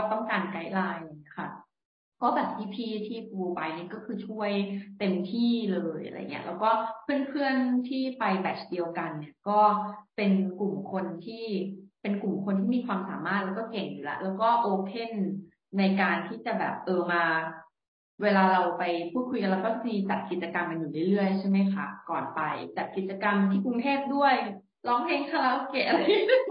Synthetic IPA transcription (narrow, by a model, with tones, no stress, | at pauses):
ɔ˥˩t̪ɔ˥˩ŋkaː˧nka˦˥jlaː˧jkʰa˥˩ | kɔː˥˩bɛː˨˩p̚t̪ʰiː˦˥˩pʰiː˥˩t̪ʰiː˥˩pʰuː˧pa˧jni˥˩˨kɔː˥˩kʰɯː˧t͡ɕʰu˥˩əjt̪e˧mt̪ʰiː˥˩lɤː˧jʔa̰˧ɾa̰˧j̰ŋːi˦˥ɐʔlɛː˦˥wkɔː˥˩pʰɯ˥˩ənpʰɯ˥˩ənt̪ʰiː˥˩pa˧jbɛ˨˦˩t͡ɕdi˧əwka˧nːi˧˥˩ɐkɔː˥˩pe˧nku˨˩mkʰo˧nt̪ʰiː˥˩pe˧nku˨˩mkʰo˧nt̪ʰiː˥˩miː˧kʰwaː˧msa̰ː˨˩˦maː˥˩t̪̚lɛː˦˥wkɔː˥˩ke˨˩ŋjuː˨˩la̰˦˥ʔlɛː˦˥wkɔː˥˩ʔoː˧kʰe˥˩nː | a˧jkaː˧nt̪ʰiː˥˩t͡ɕa˨˩bɛ̰ː˨˩p̚ʔɤː˧˩maː˧ | weː˧laː˧ɾa˧wpa˧jpʰuː˥˩t̪̚kʰu˧jka˧nɾa˧wkɔː˥miː˧t͡ɕa˨˩t̪̚ki˨˩t̪̚t͡ɕa˧ka˧mka˧njuː˨˩lɯ˥˩ɾɯ˥˩əjt͡ɕʰa˥˩jma˦˥jxʰa̰˦˥˩kɔː˨˩npa˧jt͡ɕa˨˩t̪̚ki˨˩t̪̚t͡ɕa˧ka˧mt̪ʰiː˥˩ku˧ŋt̪ʰeː˥˩p̚du˥˩əj | lɔː˧˥˩ŋpʰe˦˥ŋkʰa˥˩la˦˥ʔo˧˥keː˧˩ʔa˧ɾa˧j